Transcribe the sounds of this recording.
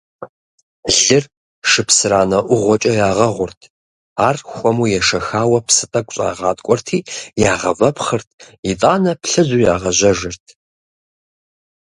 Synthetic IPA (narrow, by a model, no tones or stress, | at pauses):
ɮɨr | ʂɨpsɨraːnɐʔʷʊʁʷɔt͡ʃʼɐjaːʁɐʁʷʊrtʰ | aːrxʷʼɔmujɛʂɐxaːwɐpʰsɨtʼɐkʷʼɕʼa̰ːʁaːtʼkʷʼɔrtʰiːjaːʁɐ̰vɐpʰχɨrtʰitʼaːnɐpɬɨzuːjaːʁɐʑɐʒɪrtʰ